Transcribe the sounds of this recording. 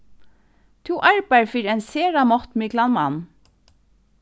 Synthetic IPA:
t̪ʰuːʔæɹpəɹfyɾeːnseːɹɑmɔt̪meːɡlɑnmɑn

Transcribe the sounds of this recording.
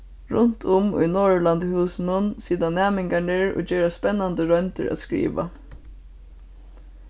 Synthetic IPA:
ɹʊnt̪ʰʊmʊ̰ɪnoːɹland̪əhʉːsn̩ʊnsiːd̪anæːmɪŋɡaɳɪɹo̰ːd͡ʒeːɹaspɛnːɑnd̪əɹœnt̪ə̰ɹæ̰t̪skɹḭːʋa̰

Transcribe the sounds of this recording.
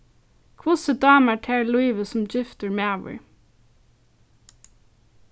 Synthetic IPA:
kʰʋʊsəd̪ɑːmæʈʰeːɹluɪʋəsʊmd͡ʒɪft̪əɹmæːʋɪ̰ɹ

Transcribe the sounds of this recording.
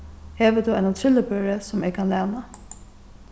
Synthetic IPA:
heːʋəd̪uaɪnat̪ʰɾɪlːəpøɹəsʊmeːɡkʰanlɛːna

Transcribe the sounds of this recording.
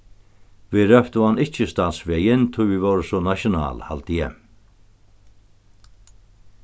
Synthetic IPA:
vɪɾœft̪ʊanɪht͡ʃɪst̪ansvɛːjɪnt̪ʰʊjvɪvɔwɾɪsɔnaʃjʊna̰ːlha̰lt̪ɪjɛ̰

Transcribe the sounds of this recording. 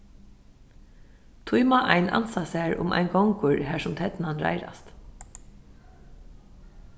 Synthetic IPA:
t̪ʰujmaʔajna̰nsasæːɹʊ̰mʔa̰ɪnɡɔŋkʊɹɦæːɹsʊmt̪ʰɛt̪nanɹa̰jɾa̰st̪

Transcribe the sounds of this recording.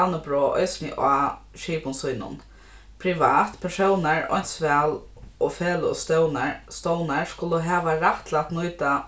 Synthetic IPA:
anəbɾoːʔɔ̰jsnɪ̰ʔaː | ʃiːpʊnsujnʊ̰n | pʰɾɪʋaːt̪pʰɛʂɔwnaɹɔ̰jn̥t̪sʋɛːl | ɔfɛːlʊɔ̰st̪œwnaɹst̪ɔwnaɹskʊlʊɦɛːʋaɾaht̪lat̪nʊjt̪a

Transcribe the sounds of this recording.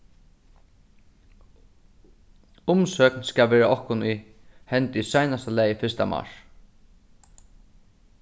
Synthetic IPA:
ʊmsœːknskavɛːɹaʔɔhkʊnujhɛnt̪ɪsajnast̪alɛːjfɪst̪a̰ma̰ʂ

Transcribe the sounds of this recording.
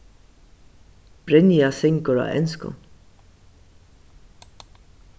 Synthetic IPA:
b̥ɾɪnjasɪŋkɔɾa̰ʔɛ̰nskʊ̰n

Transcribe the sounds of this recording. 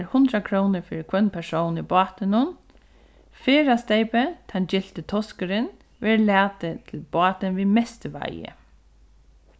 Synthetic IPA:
ɾhʊnt̪ɾakʰɾownɪɹfɪːɹɪkʰvœnːpʰɛsownibɔːt̪ɪnʊn | feːɾast̪eːpɪt̪ʰand͡ʒɪl̥t̪ɪt̪ʰɔskəɾɪn | ʋɛːɹlɛːt̪ɪt̪ʰɪlbɑːt̪ɪnʋiːmɛst̪əʋa̰jɪ̰

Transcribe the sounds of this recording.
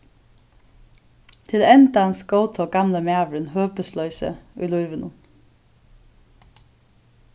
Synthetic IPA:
t̪ʰɪlɛnd̪ɑɑnsɡoʊt̪ʰoːɡɑmləmæːʋɹənhøːpəslœʏsə̰ʉ̰ːluʏʋənu

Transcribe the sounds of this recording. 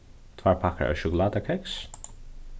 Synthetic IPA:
t̪ʰwaːɹpʰakə̰ɹə̰ʃʊɡlad̪əkʰɛks

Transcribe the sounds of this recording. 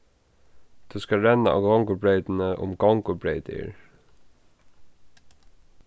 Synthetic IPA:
d̪̥ʉːskɑɹɛnɑʔɑ̰ːɡɑŋɡʊbɹeɪd̪n̩əʔʊ̰mɡɑŋɡʊbɹeɪd̪ɪ̰ɹ

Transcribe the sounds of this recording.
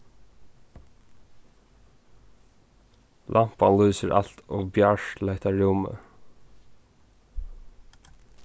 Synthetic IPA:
lʔam̥paluːsəɾʔa̰l̥t̪ʰɔbjalaɪt̪aɹumə̰

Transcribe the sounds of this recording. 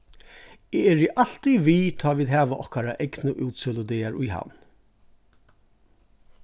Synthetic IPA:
eːɛɹiʔal̥t̪iʋiːt̪ʰɑːʋiːðhæːʋaʔɔhkaɾaʔɛɡnəʔʉːt̪sɛlʊd̪eːaɹʊjha̰n

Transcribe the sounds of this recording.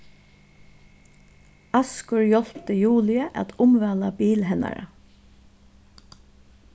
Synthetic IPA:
ɑskʊɹjɔl̥pt̪əjuːlɪəʔæ̰t̪ʰʊmʋæːlabiːlɦɛna̰ɹə̰

